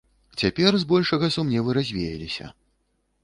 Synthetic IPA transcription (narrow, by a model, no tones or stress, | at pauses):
t͡sʲapʲɛrzbɔlʲʂɐɣɐsumnʲɛvɨɾazʲvʲejɐlʲisʲɐ̰